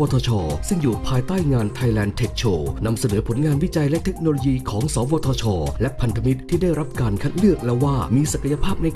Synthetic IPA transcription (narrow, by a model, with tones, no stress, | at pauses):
ɔː˧t̪ʰɔː˧t͡ɕʰɔː˧sɯ˥˩ŋjuː˨˩pʰaː˧jt̪aː˥˩jŋaː˧nt̪ʰa˧jlɛː˧nt̪ʰe˨˦˩k̚t͡ɕʰoː˧na˧msa˧nɤː˩˦pʰo˩˦nŋaː˧nwi˦˥t͡ɕa˧jlɛ˦ʔt̪ʰe˦˥k̚noː˧loː˧jiː˧kʰɔː˩˦ŋsɔː˩˦wɔː˧t̪ʰɔː˧t͡ɕʰɔː˧lɛ˦˥ʔpʰa˧nt̪ʰa˧mi˦˥t̪̚ʰːiː˥˩da˥˩jɾa˦˥p̚kaː˧nkʰa˦˥˩t̪̚lɯ˥˩ək̚lɛ˦˥waː˥˩miː˧sa˨kʰa˧ja˧pʰaː˥˩p̚na˧j